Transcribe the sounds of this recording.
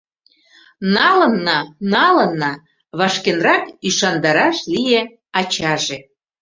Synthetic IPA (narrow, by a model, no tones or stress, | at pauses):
nɑlə̆nːɑnɑlɤ̆nːɑ | βɑʃkenrɑkyʃɑnd̪ɑɾɑʃlije | ɑt͡ɕɑʒe